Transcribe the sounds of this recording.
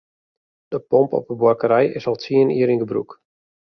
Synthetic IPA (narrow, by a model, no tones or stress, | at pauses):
d̥əpɔmpɔ̰pəbwakəɾɛjɪ̰sɔlˠtʰiəniəɾinɡəbrṵk